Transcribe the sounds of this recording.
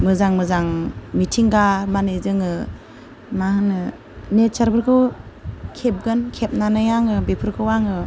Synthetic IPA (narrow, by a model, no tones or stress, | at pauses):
mɯzaŋmɯzaŋmitʰiŋɡamanezɯŋɯ | mahɯnɯ | nett͡ʃaɾbɯɾkʰɯw | kʰep̚ɡɯnkʰep̚nanajaŋɯbepʰɯɾkʰɯwaŋɯ